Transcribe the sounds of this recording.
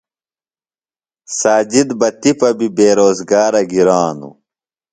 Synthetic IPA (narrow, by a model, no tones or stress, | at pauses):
saːd͡ʑid̪bɐt̪ipɐbibeːɾoːzɡaːɾɐɡiɾaːnṵ